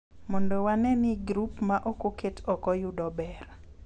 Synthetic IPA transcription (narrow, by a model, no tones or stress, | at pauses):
mondowanɛniɡɾupmaʔokoketɔkɔjudɔbɛr